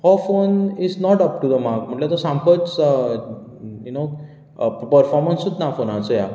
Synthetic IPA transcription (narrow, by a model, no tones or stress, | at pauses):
hɔfonisnɔʈəp̚ʈud̪əmaɾkm̤əʈlet̪osãmkət͡s | juno | pəɾfɔɾmənsut͡snafonat͡səja